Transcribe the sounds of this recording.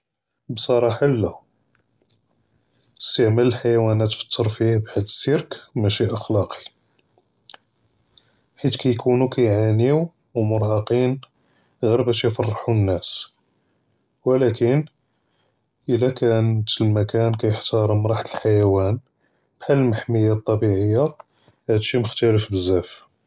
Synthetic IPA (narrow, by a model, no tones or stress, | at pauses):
bsˤɑɾˤɑħalːæ | əst̪əʕmæləlħajæwænæt̪fə̥t̪ʰːəɾˤfihbħad̪ːəsːiɾkmæʃiʔɑxlɑqi̥ | ħit̪kæjkʰunukʰæjʕaniw | wmʊɾhɑqin | ɣiɾbæʃifɑrˤːɑħunːæs | wəlækən | ʔəlːækʰænt̪əlmækænkæjəħt̪ɑɾˤmɾˤɑħt̪ʰəlħajæwæn | b̥ħad̪əlmaħməjːæt̪ˤːɑbiʕəjːa | hæd̪ʃiməxt̪æləfbəzːæf